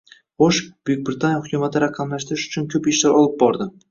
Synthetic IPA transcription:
χoʃb̥ʊjɪk̚ʲbɾɪt̪ʰanjaχʊkʲʰʊmat̪ʰɪɾaqʰɑmlaʃt̪ɾɪʃʊ̥t͡ʃʰʊnkʲʰɵpeʃlaɾɒlˠɪp̚bɒɾd̪ɪ

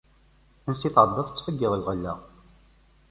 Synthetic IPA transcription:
ənsiθʕəd̪ˤːəθˤət͡sːfəɡːɪðˤlʁəlːæ̰ʁ

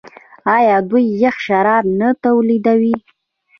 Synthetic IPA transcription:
ɑjɑd̪ujːəxʃaɾɑɾnat̪awlid̪awi

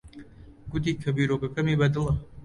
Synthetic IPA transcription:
ɡ̥ʊt̪̬iːkʰɐbiːɾokɐkɐmiːbɐd̪ɨlˠɐ

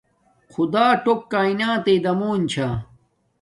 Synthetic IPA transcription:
xʰud̪aːʈokːaːinaːt̪ed̪ɐmoːnt͡ɕʰaː

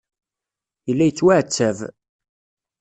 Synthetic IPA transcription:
jəlːæjət͡sːwæʕət͡sːæv

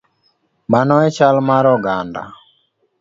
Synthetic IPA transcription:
manɔɛt͡ʃalmaɾɔɡanda̰

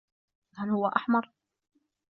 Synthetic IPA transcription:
halhʊwːaʔaħmɑɾˤ

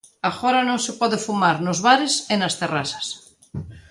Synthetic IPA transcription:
aɣoɾanõŋsepɔðefumaɾnozβaɾesenast̪erasḁs

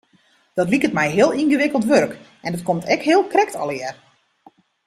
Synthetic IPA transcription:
d̥ɔtlikətmɛjɦɪəlˠinɣəʋɪkəlˠtʋørk | ʔɛndɔt̚komtʰɛkɦɪəlˠkrɛk̚tʰɔ̰lɪər

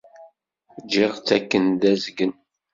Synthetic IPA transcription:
d͡ʒɪʁt͡sːækːənd̪æzɡən

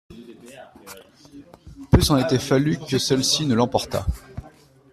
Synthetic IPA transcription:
pysɑ̃net̪ɛfalykəsɛlsinəlɑ̃pɔʁt̪a̰

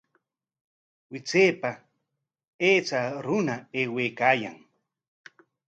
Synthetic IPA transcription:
wɪt͡seːpa | eːt͡saɾʊnaeːweːkaːja̰ŋ

